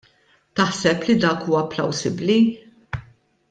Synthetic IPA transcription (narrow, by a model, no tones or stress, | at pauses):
t̪ɐħsɛplid̪ɐːkuːɐplɐwsɪbli